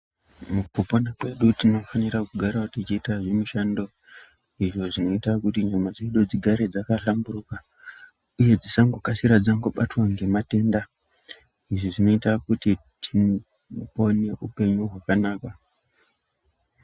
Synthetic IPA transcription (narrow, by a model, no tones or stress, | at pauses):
mukuponakwe̞ɗutino̞fanirakuɡʱaɾautit͡ʃiːtaʐemuʃaːndo̞ | iʐo̞ʐino̞itakutiɲamad͡zeɗod͡ziɡʱaɾe̞d͡zakaɬamburuka | uje̞d͡zisaŋɡokasiɾad͡zaŋɡo̞ɓatwaŋɡe̞mate̞nda | iʐiʐino̞itakutitʰi | po̞ne̞ʔupe̞ɲuɦwakanaːkwa